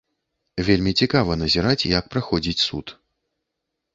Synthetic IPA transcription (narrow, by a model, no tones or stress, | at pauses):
vʲelʲmʲit͡sʲikavɐnɐzʲɛɾat͡sʲjak̚pɾaxɔd͡zʲit͡sʲsṵt̪